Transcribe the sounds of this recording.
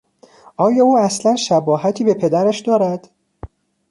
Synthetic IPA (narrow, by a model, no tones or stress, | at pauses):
ʔɒːjɒːuːæslænʃæbɒːhæt̪ʰiːbe̞pʰe̞d̪æɾæʃd̪ɒːɾæd̪̥